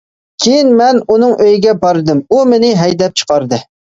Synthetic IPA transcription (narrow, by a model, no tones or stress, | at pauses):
kʲʰejinmɛnunɨŋʔøjɡʲɛbɑɾɨd̪ɨmumenɪɦɛjd̪ɛp̚t͡ʃʰə̥qɑɾd̪ɨ